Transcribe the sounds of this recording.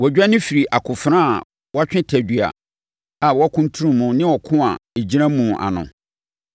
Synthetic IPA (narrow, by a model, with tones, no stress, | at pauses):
wɔ˨d͡ʑᶣa˦nɪ̃˦fi˨ɾi˨ʔa˨kʰʊ˨fɾã˦a̰˨ | wa˦t͡ɕᶣɪ̃˦tʰæ˨dɥa̰˨ | a˨wɔ˦a˦kʰũ˦n˦tʰu˦ɾũ˨mːũ˨nɪ̃˦wɔ˨kʰʊ̃˦a̰˨e˨d͡ʑi˦ɾã˦mũ˨ʔa̰˨nʊ̰̃˨